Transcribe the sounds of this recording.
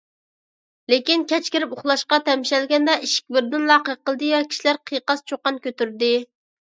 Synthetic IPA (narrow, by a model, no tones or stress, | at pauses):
lekʲinkʲʰɛt͡ʃkʲɪɾɪpoχlˠɑʃqɑt̪ʰɛmʃɛlɡʲɛnd̪ɛʔiʃɪ̥k̚ʲbɪɾd̪ɪnlˠɑːqəqəlˠd̪ɨjɛkʲʰi̥ʃilæɾqʰijqɑst͡ʃʰoqːɑnkʲʰøt̪yɾd̪ɪ